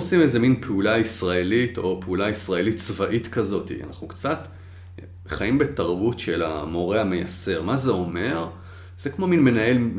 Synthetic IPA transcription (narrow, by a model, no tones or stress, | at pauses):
osimeze̞minpʰeulaisʁae̞lito̞peulaisʁae̞litt͡svaʔitkɐzo̞tḭa̰na̰χukt͡sat | χaimbe̞taʁbutʃe̞la̰mo̞ʁeame̞jase̞ʁmazeo̞me̞ʁ | z̥ekmo̞minme̞nae̞l